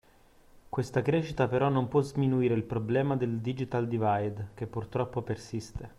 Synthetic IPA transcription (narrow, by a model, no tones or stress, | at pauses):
kwest̪akɾeːʃːit̪apeɾɔnːompwɔzminuiːɾeilpɾoblɛːmad̪eld̪id͡ʒit̪ald̪ivajd̪k̟epːurt̪ɾɔpːopersist̪e